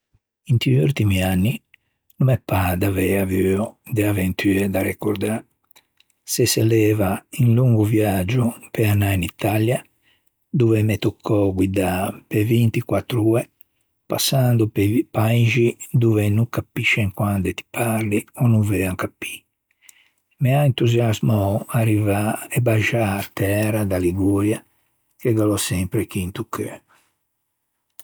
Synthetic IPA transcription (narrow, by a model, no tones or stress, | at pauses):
int̪iuɾt̪imianːi | numɛpːad̪avɛavyɔd̪eavent̪ʰyːɛd̪aɾɛkoɾd̪a | sɛsɛlɛːvainluŋɡuvjad͡ʒupeanːainit̪ːalja | d̪uvɛmɛt̪okʰːɔɡwid̪apevint̪ikwat̪ːɾuːɛ | pa̰sːand̪uppaiʒid̪uvɛnukapːiʃːɛŋkwand̪ɛt̪i̥pʰaɾliɔnuvɛaŋkapːi̥ | mɛaint̪uzjazmɔarivaɛbaʒaɾt̪ɛɛɾad̪aliɡoɾja | kɛɡalɔsɛmpɾɛkint̪ukʰːɛ